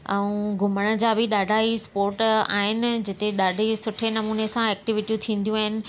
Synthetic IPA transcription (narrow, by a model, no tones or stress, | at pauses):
ɛ̃ũɡʱʊməɽ̃ə̆d͡ʑaːbɪɗaːɖʱaːispoːɾʈa̰ːɦɪnɪ̆d͡ʑɪt̪eɗaːɖʱesʊʈʰenɐmuːnesãɛːk̚ʈɪʋɪʈijũt̪ʰĩːnd̪jũaːɦɪnɪ̆